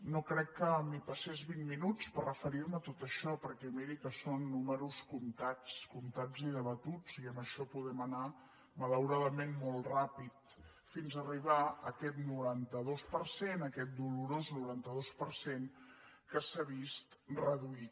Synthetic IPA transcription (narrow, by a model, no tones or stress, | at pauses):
nokɾɛkːəmipəsezβinminut͡spərrəfəɾiɾmət̪ot̪əʃɔpəɾkɛmiɾikəsonːuməɾuskunt̪at͡skunt̪ad͡ziðəβət̪ud͡ziəməʃɔpuðɛməna | mələwɾaðəmenmolˠrapit̪ | finzəriβ̞aəkɛt̪nuɾant̪əðospəɾsenəkɛt̪̚d̪uluɾoznuɾant̪əðospəɾsen | kəsaβist̪rəðui